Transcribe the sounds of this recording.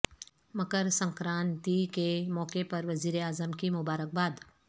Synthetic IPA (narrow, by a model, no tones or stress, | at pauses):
mɐkəɾsə̃ŋkɾãːnt̪ikemɔːkepɐɾʋɐziːɾeaːzəmkimʊbaːɾək̚baːd̪